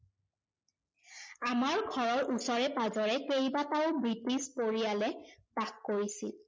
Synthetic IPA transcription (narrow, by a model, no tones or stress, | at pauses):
amaɹɡʱɔɹɔɹʔusɔɹɛpazɔɹɛkejbataʊbɹitispoɹijalɛpakːoɹisḭl